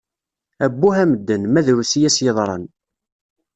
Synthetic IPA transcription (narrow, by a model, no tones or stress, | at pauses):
æbːuhæməd̪ːənmæðɾusijæsjəðˤɾˤə̰n